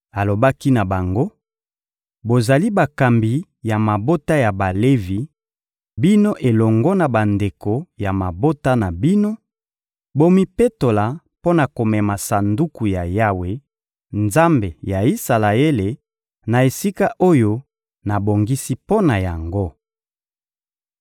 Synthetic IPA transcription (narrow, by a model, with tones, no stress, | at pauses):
a˨lo˨ba˦ki˦na˨ba˨ŋɡo˦ | bo˨za˨li˦ba˨ka˨mbi˨ | ja˨ma˨bo˦ta˦ja˨ba˨le˦vi˨ | bi˦no˦ʔe˨lɔ˨ŋɡɔ˦na˨ba˨nde˨ko˨ja˨ma˨bo˦ta˦na˨bi˦no˦ | bo˦mi˦pe˦to˨la˨ | po˦na˨ko˨mɛ˨ma˨sa˨ndu˦ku˨ja˨ja˦we˨ | nza˦mbe˨ja˨i˦sa˨la˨e˦le˨ | na˨e˨si˦ka˦ʔo˦jo˦ | na˨bo˨ŋɡi˦si˦po˦na˨ja˨ŋɡo˦